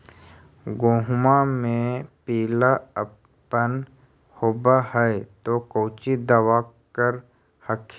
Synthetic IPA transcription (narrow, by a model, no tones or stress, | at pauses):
ɡoːɦʊmamẽpiːlaə | ən | hoːbahɛet̪okoːt͡ʃid̪əwaːkəɾ | həkʰ